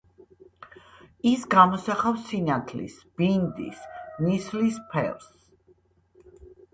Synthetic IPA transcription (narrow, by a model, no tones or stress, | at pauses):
isɡamɔsaχafsinat̪ʰlḭsb̥ind̪ḭsnislispʰɛ̰ls